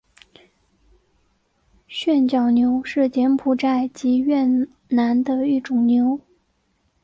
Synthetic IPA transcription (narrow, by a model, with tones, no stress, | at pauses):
ɕɥɛ˥˧nt͡ɕjɑ˨˩ʊnjo˧˥ʊʂɻ̩˥˩t͡ɕjɛ˧˥npʰu˨˩ʈ͡ʂa˥˩ɪt͡ɕi˧˥ɥɛ˥˩n | na˧˥nd̪ə˧i˥˩ʈ͡ʂʊ˨˩ŋnjo˧˥ʊ